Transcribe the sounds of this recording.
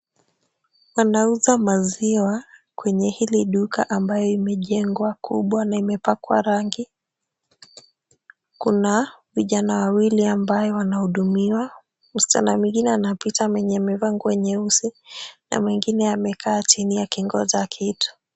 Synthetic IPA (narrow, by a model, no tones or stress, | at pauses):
wanauzamaziwakwɛɲɛhiliɗukaʔambajɔimɛʄɛŋɡwakṵɓwanaimɛpakwa̰ɾaŋɡi | kunaviʄanawawiliambajɔwanahuɗumiwa | m̩sta̰na̰mwiŋɡinɛanapitamwɛɲɛmɛvaŋɡuwɛɲɛusina̰mwiŋɡinɛamɛkʰaːt͡ʃinijakiŋɡɔ̰zakʰitu̥